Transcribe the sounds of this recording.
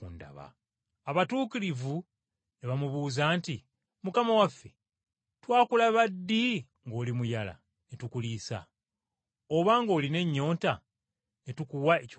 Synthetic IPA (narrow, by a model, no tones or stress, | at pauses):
unda̰βa̰ | aβatuːkilivu | neβamuβuːzaːnti | mukamawafːe̞ | twaːkulaβadːi | ŋɡo̞ːlimujala̰ | netukulisa̰ | o̞βaŋɡo̞ːline̞ɲːo̞ːnta | netukuwae